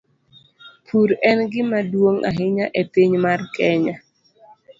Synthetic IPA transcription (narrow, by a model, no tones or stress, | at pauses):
pʰuɾɛnɡɪmadwoŋʔa̰ɦɪɲaʔɛtɪɲmarkɛɲa